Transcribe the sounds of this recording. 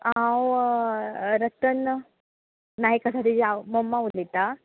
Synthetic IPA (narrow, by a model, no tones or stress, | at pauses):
aw | ɾɐt̪ən | najkasat̪id͡ʒamomːaulːit̪a